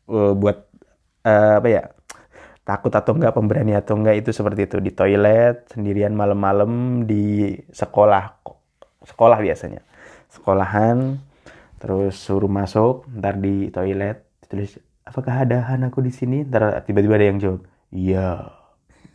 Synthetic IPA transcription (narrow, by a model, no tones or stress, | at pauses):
əbuat̪̚ | əːapaja̰ | t̪akʊt̪at̪oŋɡaʔpəmbəɾaniat̪oŋɡait̪usəpərt̪iːt̪udit̪oilɛt̪̚səndiɾianmaləmːaləmdisəkolah | sə̥kolahbiasa̰ɲa̰ | sə̥kolaɦan | t̪əɾʊsːuɾumasʊk̚ənt̪ardit̪oilɛt̪̚d͡ʒ̥t̪ulɪs | apakaɦadaɦanakudisinint̪ar̰t̪ibat̪ibaadajaŋd͡ʒawak̚ | ija